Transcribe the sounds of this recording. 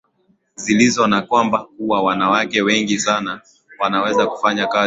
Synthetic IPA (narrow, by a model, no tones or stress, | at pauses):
zilizɔnakwambakuwawanawakɛwɛŋɡisana | wanawɛzaku̥faɲaka